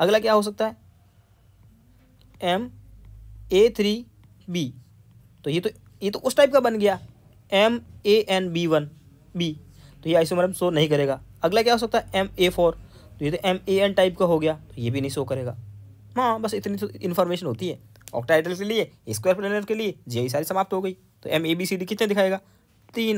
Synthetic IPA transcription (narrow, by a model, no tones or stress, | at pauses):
ɐɡlakjaɦos̬ɐk̚t̪aɦɛː | ɛm | eːt̪ʰɾiː | biː | t̪ojet̪o | jet̪oʔʊsʈaːɪp̚kabɐnɡɐjaː | ɛmeːʔɛnbiːʋən | biː | t̪ojeaːɪs̬omɐɾəmsoːnɐɦĩkɐɾeːɡaːɐɡlakjaɦoːs̬ɐk̚t̪aɦɛʔɛmeːpʰoːɾ | t̪ojet̪oʔɛmeɛnʈaːɪpkaɦoɡɐjaːt̪ojebʱinɐɦĩsoːkɐɾeːɡaː | ɦãːbɐsɪt̪nit̪oɪ̃nfʰɔːɾmeːʃənɦoːt̪iɦɛː | ɔ̰ːʈaːɪʈəlkelieɪskweːəɾpleːnəɾkelied͡ʒiis̬aːɾisɐmaːp̚t̪ɦoːɡəiː | t̪o̰ʔɛmeːbiːsiɖikɪt̪nẽd̪ɪkʰaːeːɡaː | t̪iːn